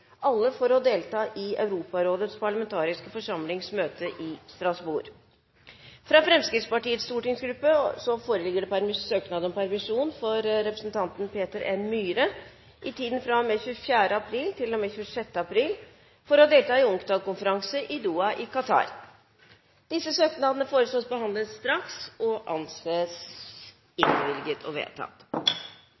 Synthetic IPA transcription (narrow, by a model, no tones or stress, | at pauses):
ʔɑlːəfɔɾɔd̪eːlt̪ɑːʔɪœʉɾuːpɑɾoːd̪ət̪spɑɭəmɛnt̪ʰɑːɾɪskəfɔʂɑmlɪŋsmøːt̪əʔɪst̪ɾɑsbṵːɾ | fɾɑfɾɛmskɾɪt̪spɑʈiːət̪st̪uːʈɪŋsɡɾʉpːəsɔfoːɾəlɪɡəɖɛpʰæɾmɪsøːknɑːd̪ɔmpʰæɾmɪʂuːnfɔɾɾɛpɾəsnt̪ʰɑnt̪n̩pʰeːt̪əɾɛnmyːɾə | ʔɪt̪ʰiːd̪n̩fɾɑmɛçʉːfjæːɖəɑpʰɾiːlt̪ʰɪlːɔmeːçʉːəʂɛt̪ːəɑpʰɾiːl | fɔɾɔɑd̪eːlt̪ɑːɪʊŋkd̪ɑːlkʊnfəɾɑŋsəʔɪd̪uːɑʔɪkʰɑt̪ʰɑ̰ːɾ | d̪̥ɪsəsøːknɑːd̪ənəfoːɾəsloːsbəɦɑnd̪ləst̪ɾɑksɔʔɑ̰nseːs | ɪnʋɪlɡət̪ʰɔ̰ʋḛːt̪ʰɑ̰t̪